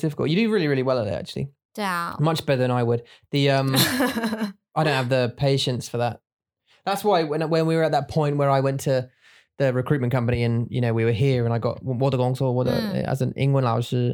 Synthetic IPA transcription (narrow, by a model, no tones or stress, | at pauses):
d̥ɪfɪkəlˠjɨɾɨɹɪːliɹɪliwɛlˠəðɪ̰a̰k̚t͡ʃʉl̩ˠḭ | d̥mʌt͡ʃb̥ɛɾəðə̃naɪwəd̪̥̚ðiʌ̃m | ʔaɪɾõʊ̃nəvðəpʰeɪʃɨ̃ntsfə˞ðət̚ | ðætswaɪwə̃nwə̃nwiwə˞ət̪̚ðət̚pʰɔ̃ɪ̃nʔwəɹaɪwɛ̃ntʰə | ðɨɹɨkʰɹ̥ʉˑt̚mə̃nkʰʌ̃mpəniɨ̃njɨ̰ñoʊwiwə˞ɦiəɹə̃ñaɪɡɒ̰ʔ̚wɔðəɡɔ̃ŋsəwʌðə̰ə̰zə̃nɪ̰̃ŋɡlə̃nlaɪəz̥ə